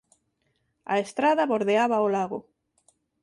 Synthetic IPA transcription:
a̰est̪ɾaðaβoɾðeaβaolaɣʊ

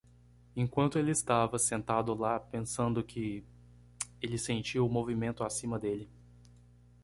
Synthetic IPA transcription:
ẽŋkwɐ̃nt̪ʊelɪɪst̪avɐsẽnt̪ad̪ʊlapẽsɐ̃nd̪ʊkʰɪ | elɪsẽnt͡ʃiɐʊmovimẽnt̪ʊasĩmɐd̪elɪ

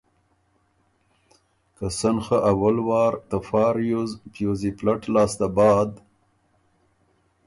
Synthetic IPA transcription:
kasanxaʔawalwɑːɾt̪afɑːɾjuzpjoziplaʈlɑːst̪abɑːd̪

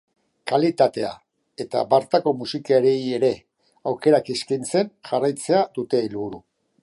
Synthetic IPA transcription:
kalit̪at̪e̞a̰ | e̞t̪abaɾt̪ako̞musikaeɾe̞je̞ɾe̞ | awke̞ɾakeskint͡se̞nʝarajt͡se̞ad̪ut̪e̞ːlβuɾu

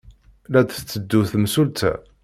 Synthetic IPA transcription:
læd̪t͡sːəd̪ːuθmsult̪æ̰

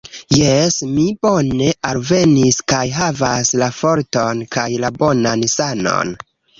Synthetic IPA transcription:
jesmibone̞ʔalve̞niskajɦavaslafo̞ɾtonkajlabo̞nansano̞̰n

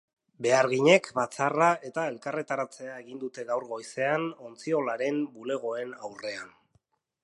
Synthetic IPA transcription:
be̞aɾɣiɲe̞kbat͡sarae̞t̪ae̞lkaret̪aɾat͡se̞ae̞ɣind̪ut̪e̞ɣawɾɣo̞jse̞ano̞nt͡sio̞laɾe̞mbule̞ɣ̞o̞e̞nawre̞an

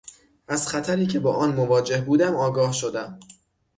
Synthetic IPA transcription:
ʔæz̥xæt̪ʰæɾiːcʰe̞bɒ̰ːʔɒːnmovɒːd͡ʒe̞hbuːd̪æmɒːɡɒːhʃo̞d̪æm

